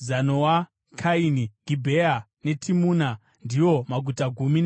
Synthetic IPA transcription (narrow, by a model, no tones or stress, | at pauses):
zanowa | kʰainiɡʱibʱea | ne̞tʰimuna | ndijo̞maɡʱutaɡʱumina